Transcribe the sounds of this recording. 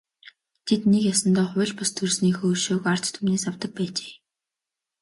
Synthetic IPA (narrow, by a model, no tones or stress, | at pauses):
t̪ʰet̪nekjasə̆nt̪ɔːχʊɮpast̪ʰɵrsniːxɵːʃoːkart͡ɕt̪ʰumneːsawt̪ə̆k̚pæːt͡ɕe̥ː